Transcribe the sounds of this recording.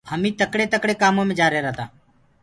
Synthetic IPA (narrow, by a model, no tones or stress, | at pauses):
həmĩːt̪əkɽeːt̪əkɽeːkaːmõːmẽːd͡ʒaːɾeːɾəɦt̪aː